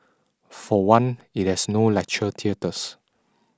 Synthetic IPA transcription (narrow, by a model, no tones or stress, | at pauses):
fɔwãnit̚hɛsnolɛk̚t͡ʃətʰiətəs